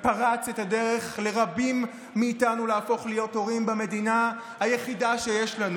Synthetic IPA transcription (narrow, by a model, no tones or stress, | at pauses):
paʁat͡setade̞ʁe̞χle̞ʁabimː | iːtanuleafo̞χlijo̞to̞ʁimbame̞dina | hajeχidaʃe̞jeʃlanu